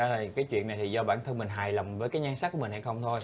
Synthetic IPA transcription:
a˨˧˦laː˨˩˨kaː˨˦jt͡ɕwḭ˧˨əna˨˩jt̪ʰi˨˩zɔ˧ɓaː˧˩nt̪ʰə˧nmï˨˩ŋ̟ɦaː˨˩jlə˨˩wŋ͡mvəː˨˦jkaː˨˦ɲaː˧ŋsa˦˥ku˧˩˥mi̟˨˩ha˧˩jxə˧wŋ͡mt̪ʰo˧j

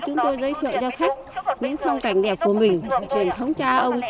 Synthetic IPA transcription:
t͡ɕʊ˨˦ŋ͡mt̪o˧jzəː˨˦jt̪ʰə̰ː˧˨zɔ˧xa˦˥jk̟̚ɲɨ̰˧˥ŋfa˧wŋ͡mt̪a˨˩jŋ̟ɗɛ˨˩p̚ku˧˩əmï˨˩ŋ̟˩t͡ɕwi˨˩ənt̪ʰə˨˦wŋ͡mt͡ɕaː˧ʔə˧wŋ͡m

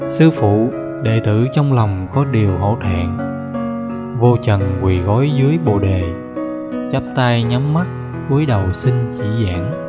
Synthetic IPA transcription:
sɨ˧fṵ˧˨ | ɗḛ˧˨t̪ɨ̰˧˨t͡ɕɔ˧wŋ͡mla˨˩wŋ͡mkɔ˨˦ɗi˨˩əwɦo̰˧˩t̪ʰɛ̰˧˨n | vo˧t͡ɕə˨˩nkwi˨˩ɣɔ˨˦jzɨ˨˦əjɓo˨˩ɗe˨˩ | t͡ɕə˦˥p̚t̪a˧jɲa˨˦mːa˦˥t̚ | ku˨˦əjɗə˨˩wsi˧nt͡ɕḭ˧˩za̰ː˧˥n

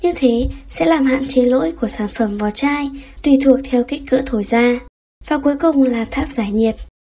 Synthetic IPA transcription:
ɲɨ˧ŋt̪ʰe˨˦sɛ̰˧˥laː˨˩mɦa̰ː˧˨nt͡ɕe˨˦lo̰˧˥jku˧˩əsaː˧˩nfə˧˩mvɔ˨˩t͡ɕaː˧jt̪wi˨˩t̪ʰu˨˩ək̚t̪ʰɛ˧wki˦˥k̟̚kːɨ̰˧˥t̪ʰo˧˩jzaː˧ | vaː˨˩ku˨˦əjkʊ˨˩ŋ͡mlaː˨˩t̪ʰaː˦˥k̚zaː˧˩jɲi˨˩ət̚

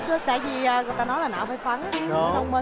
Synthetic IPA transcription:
t͡ɕɨ˦˥k̚t̪aː˧˨jvi˨˩ʔəː˨ɣjt̪aː˧nɔ˨˦jlaː˨˩na̰ː˧˥˩faː˧˩jswaː˨˦ŋ˧i˨˦˧nə˧wŋ͡mə˧

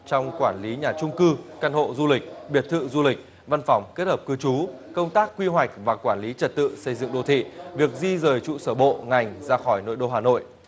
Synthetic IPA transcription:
t͡ɕɔ˧wŋ͡mkwaː˧˩nli˨˦ɲaː˨˩t͡ɕʊ˧ŋ͡mkɨ˧ka˧nho̰˧˨zu˧lï˨˩k̟̚ɓi˨˩ət̚t̪ʰɨ̰˧˨zu˧lï˨˩k̚ | va˧nfɔ˨˩wŋ͡mke˦˥t̚həː˨˩p̚kɨ˧t͡ɕu˨˦kə˧wŋ͡mt̪aː˦˥k̚ːwi˧ɦwa˨˩jk̚vaː˨˩kwaː˧˩nli˨˦t͡ɕə˨˩t̚t̪ɨ̰˧˨sə˧jzɨ̰˧˨ŋɗo˧˩t̪ʰḭ˧˨vi˨˩ək̚zi˧zəː˨˩jt͡ɕṵ˧˨səː˧˩ɓo̰˧˨ŋa˨˩jŋ̟zaː˧xɔ˧˩jno̰˧˨jɗo˧ɦaː˨˩no̰˧˨j

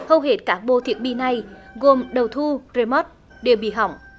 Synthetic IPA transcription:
hə˧wɦe˨˥t̚kaː˦˥k̚ɓo̰˧˨t̪ʰḭ˨˧˩ək̚ɓi˧na˨˩jɣo˨˩mɗə˨˩wt̪ʰu˧ze˧mɔ˦˥t̚ | ɗe˨˩wɓḭ˧˨ɦa̰˨˧˩wŋ͡m

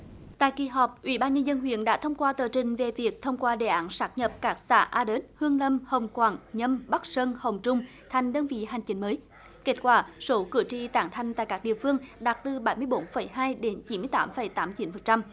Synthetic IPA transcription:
t̪a̰ː˧˨jki˨˩ɦɔ˨˩p̚ʔwḭ˧˩˦ɓaː˧nɲə˧nzə˧nɦwḭ˧˨ənɗa̰ː˧˥t̪ʰə˧wŋ͡mkwaː˧t̪əː˨˩t͡ɕï˨˩ŋ̟ve˨˩vi˨˩ək̚t̪ʰə˧wŋ͡mkwaː˧ɗḛ˧˩ʔaː˨˦nsaː˦˥k̚ɲə˨˩p̚kaː˦˥k̚sa̰ː˧˥ʔaː˧ɗe˨˦˥t̚hɨ˧əŋlə˧mhə˨˩wŋ͡mkwaː˧˩nɲə˧mɓa˦˥k̚sə˧nhə˨˩wŋ͡mt͡ɕʊ˧ŋ͡m | t̪ʰa˨˩jŋ̟ɗəː˧nvḭ˧˨ɦa˨˩jŋ̟t͡ɕï˨˦ŋ̟məː˨˦j | ke˦˥t̚kwaː˧˩so˨˦kɨ̰˧˩ət͡ɕi˧t̪aː˧˩ŋt̪ʰa˧jŋ̟t̪a̰ː˧˨jkaː˦˥k̚ɗḭ˧˨əfɨ˧əŋɗa˨˩t̚t̪ɨ˨˩ɓa˧˩˦jmɨ˧əjɓo˨˦nfə˧˩jɦaː˧jɗe˨˦nt͡ɕi˨˦mɨ˧əjt̪aː˨˦mfə˧˩jt̪aː˨˦mt͡ɕi˨˦nfə˨˩n̚t͡ɕa˧m

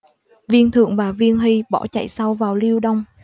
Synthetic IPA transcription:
vi˧ənt̪ʰɨ̰˧˨əŋvaː˨˩vi˧ənɦi˧ɓɔ̰˧˥˩t͡ɕa̰˧˨jsa˧wvaː˨˩wli˧əwɗə˧wŋ͡m

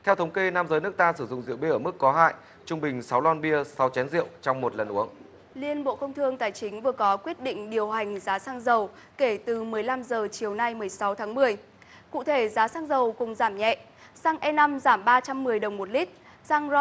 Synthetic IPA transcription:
t̪ʰɛ˧wt̪ʰə˨˦wŋ͡mke˧naː˧mzəː˨˦jnɨ˦˥ək̚t̪aː˧sɨ˧˩zʊ̰˧˨ŋ͡mzḭ˧˨əwɓi˧ʔəː˧˩mɨ˦˥kːɔ˨˦ɦa̰ː˧˨j | t͡ɕʊ˧ŋ͡mɓï˨˩ŋ̟sa˨˦wlaː˧nɓi˧əsa˨˦wt͡ɕɛ˨˦nzḭ˧˨əwt͡ɕɔ˧wŋ͡mmo˨˩t̚lə˨˩nʔu˨˦əŋ | li˧ənɓo̰˧˨kə˧wŋ͡mt̪ʰɨ˧əŋt̪aː˨˩jt͡ɕï˨˦ŋ̟vɨ˨˩əkɔ˨˦kwi˦˥ət̚ɗḭ̈˧˨ŋ̟ɗi˨˩əwɦa˨˩jŋ̟zaː˨˦saː˧ŋzə˨˩w | ke˧˩t̪ɨ˨˩mɨ˨˩əjla˧mzəː˨˩t͡ɕi˨˩əwna˧jm˨˩əjsa˨˦wt̪ʰaː˨˦ŋmɨ˨˩əj | kṵ˧˨t̪ʰe˧˩zaː˨˦saː˧ŋzə˨˩wkʊ˨˩ŋ͡mzaː˧˩mɲɛ̰˧˨ | saː˧ŋʔɛ˧na˧mzaː˧˩mɓaː˧t͡ɕa˧mːɨ˨˩əjɗə˨˩wŋ͡mmo˨˩t̚li˦˥k̚ | saː˧ŋzɔ˧

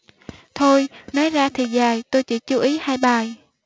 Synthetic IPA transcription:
t̪ʰo˧jnɔ˨˦jzaː˧t̪ʰi˨˩zaː˨˩jt̪o˧jt͡ɕḭ˧˩t͡ɕu˨˧˦ʔi˨˦haː˧jɓaː˨˩j

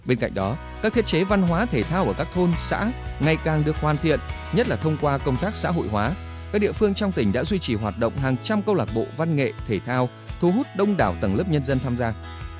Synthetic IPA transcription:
ɓe˧nka̰˧˨jŋ̟̚ɗɔ˨˦ | kaː˦˥k̚t̪ʰi˦˥t̚t͡ɕe˨˦va˧nɦwaː˨˦t̪ʰe˧˩t̪ʰaː˧wʔəː˧˩kaː˦˥k̚t̪ʰo˧nsa̰ː˧˥ŋa˨˩jkaː˨˩ŋɗɨ˨˩ək̚hwaː˨˩nt̪ʰḭ˧˨ən | ɲə˦˥t̚laː˨˩t̪ʰə˧wŋ͡mkwaː˧kə˧wŋ͡mt̪aː˦˥k̚sa̰ː˧˥ɦo̰˧˨jɦwaː˨˦ | ka˦˥k̚ɗḭ˧˨əfɨ˧əŋt͡ɕɔ˧wŋ͡mt̪ï˧˩ŋ̟ɗa̰ː˧˥zwi˧t͡ɕi˨˩ɦwaː˨˩t̚ɗə̰˧˨wŋ͡mɦaː˨˩ŋt͡ɕa˧mkə˧wlaː˨˩k̚ɓo̰˧˨va˧nŋḛ˧˨t̪ʰe˧˩t̪ʰaː˧w | t̪ʰu˨˦ɦu˦˥t̚ɗə˧wŋ͡mɗaː˧˩wt̪ə˧˩ŋlɨ˦˥p̚ɲə˧nzə˧nt̪ʰaː˧mzaː˧

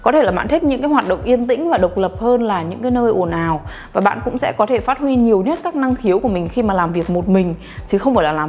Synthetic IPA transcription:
kɔ˨˦t̪ʰe˧˩laː˨˩ɓa̰ː˧nt̪ʰi˦˥k̚ɲɨ̰˧˥ŋkaː˨˦jɦwaː˨˩t̚ɗə̰˧˨wŋ͡mʔi˧ənt̪ï˧˥ŋ̟vaː˨˩ɗə˨˩wk͡p̚lə˨˩p̚həː˧nlaː˨˩ɲɨ̰˧˥ŋkaː˨˦jnəː˧jʔo˧˩naː˨˩w | vaː˨˩ɓa̰ː˧˨nkʊ̰˧˥ŋ͡msɛ̰˧˥kɔ˨˦t̪ʰe˧˩faː˦˥t̚hwi˧ɲi˨˩əwɲə˦˥t̚kaː˦˥k̚na˧ŋxi˨˦əwku˧˩əmï˨˩ŋ̟xi˧maː˨˩laː˨˩mvi˨˩ək̚mo˨˩t̚mï˨˩ŋ̟ | t̪ʰi˨˩xə˧wŋ͡mfaː˧˩laː˨˩laː˨˩

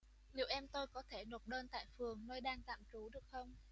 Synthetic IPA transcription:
ni˨˦wʔɛ˧mt̪o˧jkɔ˨˦t̪ʰe˧˩no˨˩t̚ɗəː˧nt̪a̰ː˧˨jfɨ˨˩əŋnəː˧jɗaː˧ŋt̪a̰ː˧˨mt͡ɕu˨˦ɗɨ˨˩ək̚xə˧wŋ͡m

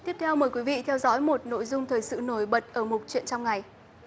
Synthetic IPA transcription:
t̪i˦˥əp̚t̪ʰɛ˧wməː˨˩jkwi˨˦vḭ˧˨t̪ʰɛ˧wzɔ̰ː˧˦jmo˨˩t̚no̰˧˨jzʊ˧ŋ͡mt̪ʰəː˨˩jsɨ̰˧˨no˧˩jɓə˨˩t̚ʔəː˧˩mʊ˨˩t̚t͡ɕwḭ˧˨ənt͡ɕɔ˧wŋ͡mŋa˨˩j

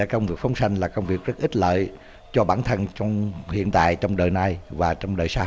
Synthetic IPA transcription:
ɛ˧˥kə˧wŋ͡mvi˨˩ək̚fə˨˦wŋ͡msa˧jŋ̟laː˨˩kə˧wŋ͡mvi˨˩ək̚zə˦˥t̚ʔï˦˥t̚lə̰ː˧˨j | t͡ɕɔ˧ɓaː˧˩nt̪ʰə˧nt͡ɕɔ˧wŋ͡mhḭ˧˨ənt̪a̰ː˧˨jt͡ɕɔ˧wŋ͡mɗəː˨˩jna˧jvaː˨˩t͡ɕɔ˧wŋ͡mɗəː˨˩jsaː˧

